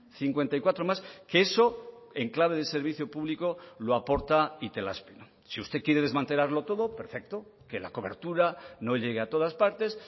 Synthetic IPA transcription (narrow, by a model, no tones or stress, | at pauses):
θiŋkwe̞nt̪ajkwat̪ɾo̞maskeeso̞e̞ŋklaβ̞e̞ð̞ese̞ɾβiθjopuβliko̞loapo̞ɾt̪ait̪e̞la̰spino | siust̪e̞kje̞ɾe̞ð̞e̞zmãnt̪e̞laɾlo̞t̪o̞ðo̞pe̞ɾfe̞k̚t̪o̞ke̞la̰ko̞β̞e̞ɾt̪uɾano̞ʎe̞ɣ̞e̞at̪o̞ð̞aspaɾt̪e̞s